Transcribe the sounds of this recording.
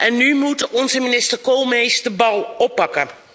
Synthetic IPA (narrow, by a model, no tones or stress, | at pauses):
ʔɛnːymutəɔnzəminɪstərkolˠmejsdəbɑlˠɔpːɑkə